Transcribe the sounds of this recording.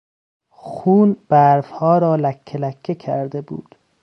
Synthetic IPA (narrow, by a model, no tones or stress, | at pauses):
xuːnb̥æɾfhɒːɾɒːlækʰːelækʰːekʰæ̰ɾd̪ebṵːd̪̥